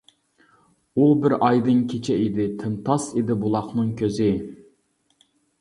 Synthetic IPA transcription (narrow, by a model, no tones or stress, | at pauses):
ubɪɾɑjd̪ɨŋkʲʰet͡ʃʰɛid̪ɪt̪ʰɪnt̪ʰɑsid̪ɪbulˠɑχnɨŋkʲʰøzɪ